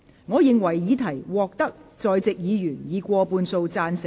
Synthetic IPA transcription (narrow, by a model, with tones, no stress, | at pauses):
ŋɔː˨˧jɪ˨ŋwɐ˨˩jːiː˨˧˥t̪ʰɐ˨˩jwɔː˨k̚t̪ɐ˥k̚t͡sɔː˨jt͡sɪ˨k̚jiː˨˧jyː˨˩njiː˨˧kʷɔː˧puː˧nso˧wt͡saː˧nsɪ˨